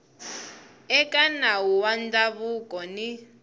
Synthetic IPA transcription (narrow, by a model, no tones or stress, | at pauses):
ɛkʼanawuwand͡ɮaβukʼɔni